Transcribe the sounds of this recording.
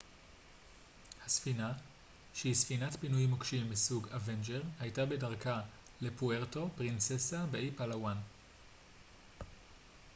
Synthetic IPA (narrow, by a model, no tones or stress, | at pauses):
hasfina | ʃeisfinatpinujmokʃimbisuɡavend͡ʒeʁhajtabe̞daʁka | le̞pueʁto̞pʁint͡sesabeʔipalawan